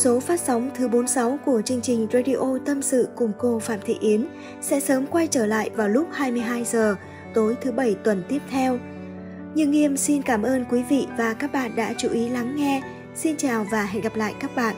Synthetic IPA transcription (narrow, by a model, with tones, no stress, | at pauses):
so˨˦faː˦˥t̚sa˨˦wŋ͡mt̪ʰɨ˨˦ɓo˨˦nsa˨˦wku˧˩ət͡ɕɨ˧əŋt͡ɕï˨˩ŋ̟ze˧jɗi˧ʔo˧t̪ə˧msɨ̰˧˨kʊ˨˩ŋ͡mko˧faː˧˩mt̪ʰḭ˧˨ʔi˨˦ən | sɛ̰˧˥səː˨˦mkwa˧jt͡ɕəː˧˩la̰ː˧˨jvaː˨˩wlʊ˦˥k͡p̚haː˧jmɨ˧əjɦaː˧jzəː˨˩ | t̪o˨˦jt̪ʰɨ˨˦ɓə˧˩jt̪wə˨˩nt̪i˦˥əp̚t̪ʰɛ˧w | ɲɨ̰˧ŋi˧əmsi˧nkaː˧˩mʔəː˧nkwi˨˦vḭ˧˨vaː˨˩kaː˦˥k̚ɓa̰ː˧˨nɗa̰ː˧˥t͡ɕu˨˦ʔi˨˦la˨˦ŋːɛ˧ | si˧nt͡ɕaː˨˩wvaː˨˩ha˧˩jɣa˨˩p̚la̰ː˧˨jkaː˦˥k̚ɓa̰ː˧˨nʔ